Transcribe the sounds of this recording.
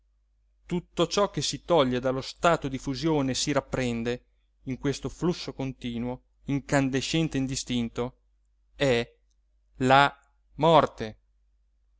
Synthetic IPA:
t̪ut̪ːot͡ʃɔkːesit̪ɔʎːed̪alost̪aːt̪od̪ifuzjoːnesiɾapːɾɛnd̪e | iŋkwest̪oflusːokont̪iːnwo | iŋkand̪eʃɛnt̪eind̪ist̪int̪o | ɛ | la | mɔrt̪e

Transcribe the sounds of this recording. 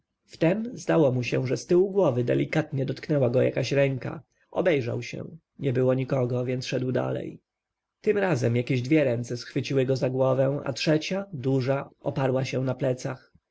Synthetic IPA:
ft̪ɛmzd̪awɔmuɕɛʐɛst̪ɘwɡwɔvɘd̪ɛ̰lʲikat̪ɲɛd̪ɔt̪knɛwaɡɔja̰kaɕɾɛŋka̰ | ʔɔbɛjʐa̰wɕɛ̰ | ɲɛbɘwɔɲikɔɡɔvʲjɛnt̪sʂɛd̪wd̪a̰lɛ̰j | t̪ɘmɾazɛmjakʲeʑd̪vʲjɛɾɛnt̪sɛsxfɘt͡ɕiwɘɡɔzaɡwɔvɛw̃a̰tʂɛt͡ɕad̪uʐaʔɔpaɾwaɕɛnaplɛt̪sax

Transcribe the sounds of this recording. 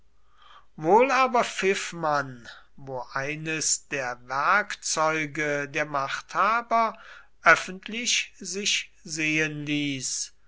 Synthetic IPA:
voːlaːbɐfɪfman | voːʔaɪnəsd̥eːɐvɛɐkt͡sɔʏɡədeːɐmaχthaːbɐ | ʔœfəntlɪʃzɪʃ | zeːənliːs

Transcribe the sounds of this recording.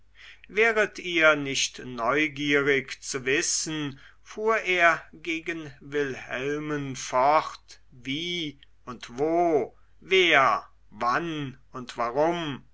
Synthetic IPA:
vɛːʁətʰiːɐnɪçtnɔʏɡiːʁɪkt͡suvɪsən | fuːɐʔeːɐɡeːɡənvɪlhɛlmənfɔʁt | viː | ʊntv̥oː | veːɐ | van | ʊntv̥aʁʊm

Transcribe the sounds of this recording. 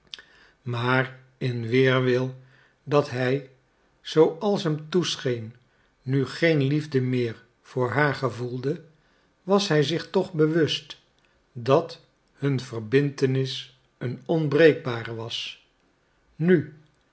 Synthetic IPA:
maːr | ɪnʋɪːɹʋɪlˠ | dɑtɦɛj | z̥owɑlˠsɦɛmtusχejnː | yχejnlivdəmɪːɹ | v̥ʊːɹɦaːɹχəvulˠdə | ʋɑsɦɛjzɪχtɔχbəʋʏst | dɑt | hɵnvəɹbɪntənɪs | ənɔnbrejɡ̚baːrəʋɑs | ny

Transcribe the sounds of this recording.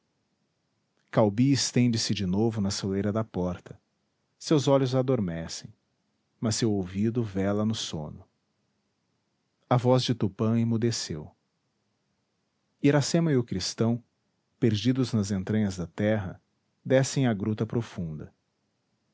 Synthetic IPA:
kawbiɪst̪ẽnd͡ʒɪsɪd͡ʒɪnovʊnɐsolejɾɐd̪ɐpɔɾt̪ʰɐ̥ | sewzɔʎʊzad̪oɾmɛsḛ̃j̃ | mɐsːewowvid̪ʊvɛlɐnʊsõ̰nʊ | ɐvɔzd͡ʒɪt̪upɐ̃ɪ̃mud̪esew | iɾasẽmɐɪʊkɾist̪ɐ̃w̃ | peɾd͡ʒid̪ʊznɐzẽnt̪ɾɐ̃ɲɐzd̪ɐt̪ɛɦɐ̰ | d̪ɛsẽj̃ɐɡɾut̪ɐpɾofũnd̪ɐ

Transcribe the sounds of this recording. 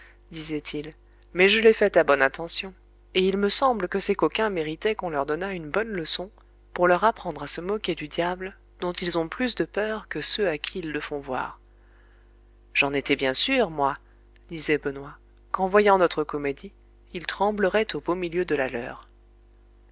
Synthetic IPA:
d̪izɛt̪ʰil | mɛʒəlɛfɛt̪abɔnɛ̃t̪ɑ̃sjɔ̃ | eilməsɑ̃bləkəsɛkokʲɛ̃meʁit̪ɛkɔ̃lœʁd̪ɔnaynbɔnləsɔ̃ | puʁlœʁapχɑ̃d̪ʁasəmɔkʲed̪yd̪jabl | d̪̥ɔ̃t̪ilzɔ̃plys̬d̪əpœʁkəsøakʲʰiːlːəfɔ̃vwa̰ːʁ | ʒ̥ɑ̃net̪ɛbjɛ̃syʁmwa | d̪izɛbənwa | kɑ̃vwajɑ̃nɔt̪χəkɔmed̪i | ilt̪χɑ̃bləʁɛt̪obomiljød̪əlalœ̰ːʁ

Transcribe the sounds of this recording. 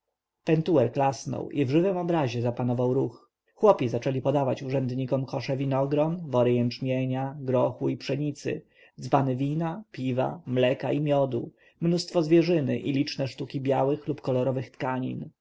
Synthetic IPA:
pɛnt̪uɛɾklasnɔ̰wʔivʐɘvɘmɔbɾaʑɛzapanɔvawɾux | xwɔpʲizat͡ʂɛlʲipɔd̪avat͡ɕuʐɛnd̪ɲikɔmkɔʂɛvʲinɔɡɾɔnvɔɾɘjɛnt͡ʂmʲjeɲaɡɾɔxuipʂɛɲit̪sɘ̰ | zbanɘvʲinapʲiva̰mlɛkaimʲjɔd̪u | mnust̪fɔzvʲjɛʐɘnɘ̰ʔilʲit͡ʂnɛʂt̪ukʲibʲjawɘxlupkɔlɔɾɔvɘxt̪kaɲḭn

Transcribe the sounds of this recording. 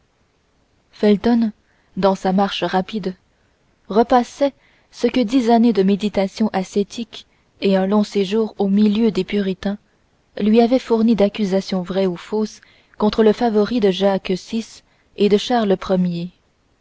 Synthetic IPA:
fɛlt̪ɔn | d̪ɑ̃samaʁʃəʁapid̪ | ʁəpasɛ | səkəd̪izaned̪əmed̪it̪asjɔ̃ʔaset̪ʰik | eɛ̃lɔ̃seʒuːʁomiljød̪epyʁit̪ɛ̃ | lɥiavɛfuʁnid̪akʲyzasjɔ̃vʁɛufos | kɔ̃t̪χələfavɔʁid̪əʒaksis | ed̪əʃaʁləpχəmje

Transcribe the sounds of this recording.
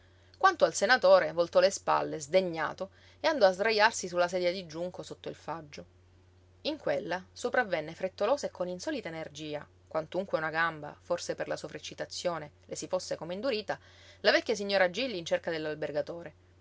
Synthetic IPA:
kwant̪oalsenat̪oːɾevolt̪ɔlespa̰lːezd̪eɲːa̰ːt̪o | eand̪ɔazd̪ɾajarsisulːas̬ɛːd̪jad̪id͡ʒuŋkosot̪ːoilfad͡ʒːo | iŋkwelːasopɾavːɛnːefɾet̪ːoloːsekːoninsɔːlit̪aenerd͡ʒiːa | kwant̪uŋkweunaɡamba̰forseperlasofɾet͡ʃːit̪at̪sːjoːnelesifosːekomeind̪uɾiːt̪a | lavɛkʲːjas̬iɲːoːɾad͡ʒilːiːnt͡ʃerkad̪elːalberɡat̪oːɾe

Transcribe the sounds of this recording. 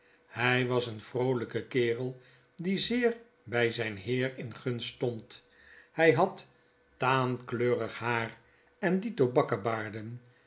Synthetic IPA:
hɛjʋɑsənvrowləkəkɪːrəlˠ | dizɪːɹ | bɛjzɛjnɦɪːɹɪnχɵnstɔnt | hɛjɦɑt | taːnkløːrəχɦaːr | ɛnditobɑkəbaːɹdən

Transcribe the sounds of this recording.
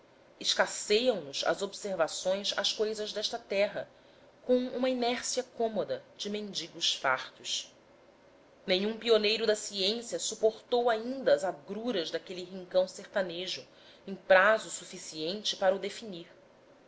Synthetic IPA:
ɪʃkasejɐ̃w̃nʊzɐ̰zobseɾvasõj̃sa̰ʃkojzɐʒd̪ɛʃt̪ɐt̪ɛɦɐ | kõw̃ṵ̃mɐinɛɾsiɐkõmod̪ɐd͡ʒɪmẽnd͡ʒiɡʊʃfa̰χt̪ʊʃ | nẽɲũpionejɾʊd̪ɐsiẽsiɐsupoɾt̪owaĩnd̪ɐːzaɡɾuɾɐzd̪akeliɦĩŋkɐ̃w̃seɾt̪aneʒʊ | ẽj̃pɾazʊsufisiẽnt͡ʃɪpaɾɐud̪efiniɾ

